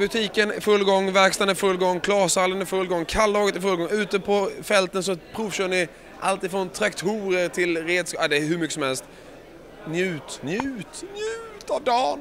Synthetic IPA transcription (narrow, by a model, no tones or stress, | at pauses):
bɵt̪ʰiːkənfɵlːɡɔŋːvæɾkst̪anəfɵlːɡɔŋːkʰlɑːsalːənfɵlːɡɔŋːkʰalːɑːɡət̪ɪfɵlɡɔŋʉ̟ːt̪əpʰɔfɛlt̪ənsɔpʰɾʊvɕœːɳɪ | ʔa̰lt̪ɪfɾɔnt̪ʰɾakt̪ʰuːɾəɾt̪ʰɪlɾeːd̪skːd̪ɛɦɵmʏkːəsɔmhɛlst̪ | njʉ̟ːt̪njʉ̟ːt̪njʉːt̪ad̪ɑːn